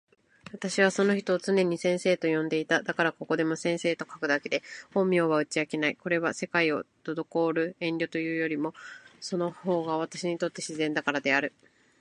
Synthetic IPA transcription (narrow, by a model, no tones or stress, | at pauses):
βat̪aɕiβ̞aso̞no̞çi̥t̪o̞ːt͡sɨne̞ɲ̟isẽ̞ɰ̃se̞ːt̪o̞jõ̞nd̪e̞it̪ad̪akaɾako̞ko̞d̪e̞mo̞sẽ̞ɰ̃se̞ːt̪o̞kḁkɯ̟d̪ake̞d̪e̞hõ̞mʲjo̞ːβaɯ̟t͡ɕiakenaiko̞ɾe̞βase̞kaio̞̰t̪o̞d̪o̞ko̞ːɾɯ̟ẽ̞nɾʲo̞t̪o̞jɯ̟ːjo̞ɾʲimo̞so̞no̞ho̞ːɡaβ̞at̪aɕiɲ̟it̪o̞t̪ːe̞ɕizẽ̞nd̪akaɾad̪e̞aɾɯ̟